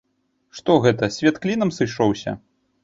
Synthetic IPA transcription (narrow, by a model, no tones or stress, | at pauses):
ʂt̪ɔɣɛt̪ɐsʲvʲat̪klʲinɐmsɨʂɔwsʲɐ̰